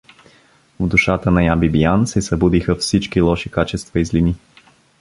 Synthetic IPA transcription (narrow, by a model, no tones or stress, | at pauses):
vd̪uʃat̪ənɐjabibijansɛsɐbud̪ixəfsit͡ʃkilˠɔʃikat͡ʃɛst̪vɐizlini